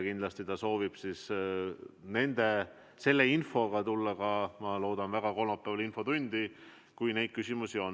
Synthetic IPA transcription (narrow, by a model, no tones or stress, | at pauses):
kind̪lɑst̪it̪ɑso̞ːvib̥sis | ne̞nd̪̥e̞ | se̞lːe̞info̞ɡ̥ɑt̪ulːɑɡ̥ɑmɑlo̞ːd̪̥ɑnvæɡ̥ɑko̞lmɑpːˑævɑlinfo̞t̪unʲd̪̥i | kujne̞jd̪̥̚kysʲimusio̞n